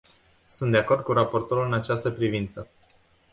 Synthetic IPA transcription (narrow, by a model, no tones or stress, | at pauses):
sunt̪d̪eako̞rd̪̚kuɾapo̞rt̪o̞ɾulɨnat͡ʃast̪əpɾivint̪sə